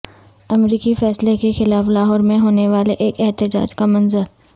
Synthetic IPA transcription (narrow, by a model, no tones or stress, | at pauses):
ɐmɾiːkifɛːslekexɪlaːflaːɦɔːɾmẽɦoːneʋaːleʔeːkɛɦt̪ɪd͡ʒa̰ːd͡ʒkamɐnzəɾ